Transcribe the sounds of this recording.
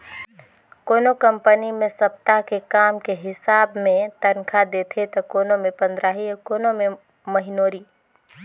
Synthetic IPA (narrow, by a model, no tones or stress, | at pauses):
koːnokə̃mpənimẽsɐp̚t̪akekaːmkeɦɪsaːbmẽt̪ɐnkʰad̪eːt̪ʰet̪ɐkoːnomẽpə̃nd̪ɾaːɦiɔkoːnomẽ | mɐɦɪnoːɾiː